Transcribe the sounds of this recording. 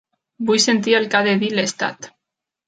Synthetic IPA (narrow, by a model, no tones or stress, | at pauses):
bujsent̪̬ielkaðeðilest̪a̰t̪